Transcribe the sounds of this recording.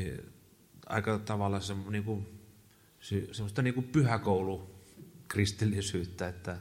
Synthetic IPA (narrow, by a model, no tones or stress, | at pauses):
i | ɑ̰ˑikɑt̪ɑʋɑlːˑɑsemniːku | sysemːˑost̪ɑniːŋkupyhækoˑulukrist̪ilːisyːt̪ːæet̪ːæ